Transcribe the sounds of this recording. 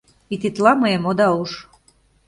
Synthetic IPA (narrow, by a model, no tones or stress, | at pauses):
it̪it̪lɑməjemod̪ɑuʃ